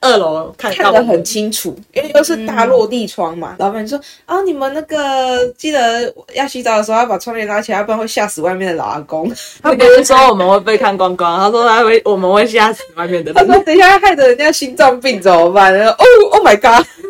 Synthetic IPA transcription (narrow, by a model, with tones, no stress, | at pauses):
ə˥˧˩lo˨˦kʰa˥˨nkʰa˥˩˥d̪ə˨˩xə˨˩nt͡ɕʰi˦ŋʈ͡ʂʰu˨˩i˥nwe˥˧jo˥˧ʊʂ̬ɻ̩i˥˧t̪a˥˧lwɔ˥˧t̪i˥˨ʈ͡ʂʰwɑ˦ŋma̰˨˩lɑ˨˧˦ba˨˩ni˥˩swɔ˥ɔ˥˩ni˨˩mə˨nna˥˩ɡə˩t͡ɕi˥˩d̪ə˩jʔa˥˩ɕi˥t͡sɑ˥˩də˩ʂ̩˧˥˧jpa˨˩wɑ˥ŋljɛ˧nla˥t͡ɕʰi˨˩a˥˧pa˥˧nxwe˥˧ɪɕja˥˩sɹ̩˨˩wa˥ɪmjɛ˥˩nd̪ə˩la̰˨˩a̰˨˧ko˦ŋt̪a˥˨˩kə˨˩ə˥sɔ˥o˥˩wɔ˨˩mə˨˦xwe˥˧ɪp̬e˥˧ɪkʰa˥˩˨nkwɑ˦ŋkɑ˥˦ŋ˦ha˥ʂɔ˥a˥we˥˩ɪwɔ˨˩mə˦nwe˥˧ɪɕja˥˩sɹ̩˨˩˦wa˥˧ɪmjɛ˥˨nd̪ə˨a˥sɔ˥ni˨˩ɕa˥xa˥˩ɪd̪ə˨˩ə˨˦njɕi˦˥nt͡sɑ˥˧ŋpi˥˩ŋt͡so˨˩ʊ˨ma˨na˥˧˩ɔ˥˦ʔo˥˩o˥˩ma˨˩ɪka˥˦